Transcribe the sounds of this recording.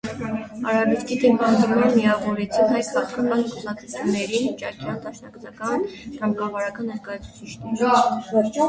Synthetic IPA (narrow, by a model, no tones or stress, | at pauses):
ɑɾɑbuɾkʰit̪ɛpɑnd̪ɾmɑnmiɑvɔɾɛt͡sʰinɦɑjskɑkʰəmɑnikʰusɑkʰut͡sʰunːɛɾint͡ʃɑɾkʰiɑnd̪ɑʃnɑkt͡sʰɑkɑnt̪ɑmkɑvɑɾɑkɑnɔzɡɑjt͡sʰu̥t͡sʰit͡ʃʰnɛɾ